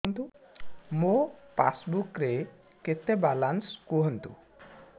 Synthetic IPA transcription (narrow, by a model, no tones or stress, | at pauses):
nt̪u | mopa̰sbukɾe | ket̪ebalanskuɦɔnt̪ṵ